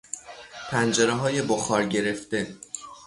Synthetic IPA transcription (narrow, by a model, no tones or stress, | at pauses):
pʰænd͡ʒeɾeɦɒːje̞boxɒːɾɟe̞ɾe̞ft̪e̞